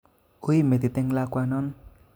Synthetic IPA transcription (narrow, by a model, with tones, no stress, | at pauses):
u˦jme˨t̪i˨t̪e˦ŋlakwa˧nɔ˦n